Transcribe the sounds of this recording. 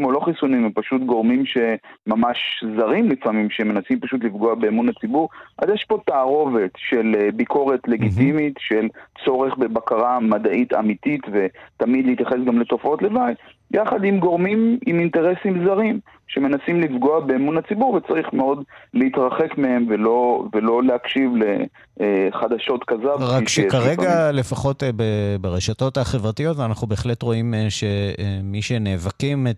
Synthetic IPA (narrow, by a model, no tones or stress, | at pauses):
mo̞lo̞χisunimempaʃut̪ɡo̞ʁmimʃe̞mamaʃzaʁimlifamimʃeme̞nasimpaʃutlifɡo̞abe̞ːmunat͡sibuʁʔa̰zjɛʃpo̞taːʁo̞ve̞t̪ʃelbiko̞ʁe̞tle̞ɡitimitʃelt͡so̞ʁe̞χbe̞bakaʁamad̪aʔita̰mititve̞tamidleit̪jaχe̞s̬ɡamle̞t̪o̞fo̞tle̞vajt | jaχad̪imɡo̞ʁmimiminteʁesimzaʁim | ʃeme̞nasimlifɡo̞abemunat͡sibuʁvet͡saʁiχmeo̞dleit̪ʁaχekmehemvelo̞velo̞lehakʃivle | χad̪aʃo̞tkazobiʁaikʃekaʁeɡale̞faχo̞tbebeʁeʃato̞thaχevʁatijo̞tanaχnube̞ːχle̞tʁo̞imʃemiʃeneːvakime